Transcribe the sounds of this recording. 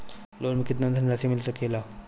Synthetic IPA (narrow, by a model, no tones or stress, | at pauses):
loːlmikit̪nənd̪ʱənɾasimilsəkela